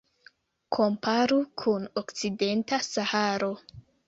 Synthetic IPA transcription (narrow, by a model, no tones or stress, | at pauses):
kʰo̞mpʰaɾukʰuno̞kt͡side̞ntasahaɾo̞